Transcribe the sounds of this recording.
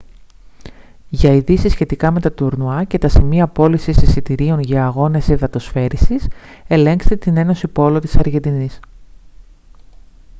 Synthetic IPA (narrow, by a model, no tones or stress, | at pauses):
ʝɐiðisisçe̞t̪ikɐme̞t̪ɐt̪uɾnuɐce̞t̪ɐsimiɐpo̞lisisisit̪iɾio̞nʝɐːɣo̞ne̞siðɐt̪o̞sfe̞ɾisise̞le̞ŋkst̪et̪ine̞no̞sipo̞lo̞t̪i̥sɐɾʝe̞nd̪inis